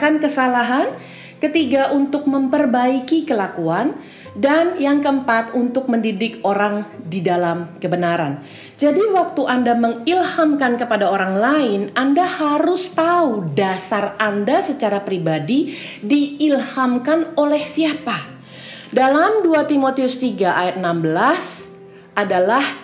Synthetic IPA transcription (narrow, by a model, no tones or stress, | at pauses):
kankəsalaɦan | kət̪iɡaʔunt̪ʊk̚məmpərbaikikəlakuan | danjaŋkəəmpat̪unt̪ʊk̚məndidɪkoɾaŋdidalamkəbənaɾa̰n | d͡ʒadiwak̚t̪uʔandaməŋilhamkankəpadaoɾaŋlaɪnʔandahaɾʊst̪audasarandasət͡ʃaɾapɾibadidiːlhamkanolɛhsiapa | dalamduat̪imot̪iʊst̪iɡaʔajat̪̚nambəlas | ʔadalah